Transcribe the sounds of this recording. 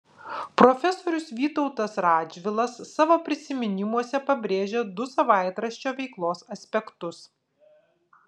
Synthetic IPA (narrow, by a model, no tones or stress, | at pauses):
pɾɔfʲɛsoːɾʲʊsʋʲiːt̪ɔʊt̪ɐsɾɑːd͡ʒʲʋʲɪlˠɐsːɑʋoːpʲɾʲɪsʲɪmʲɪnʲɪmuɔsʲɛpɐbʲɾʲeːʒʲeːd̪ʊsɐʋɑˑɪt̪ɾɐʃʲt͡ʃʲoːʋʲɛɪklˠoːsɐsʲpʲɛkt̪ʊs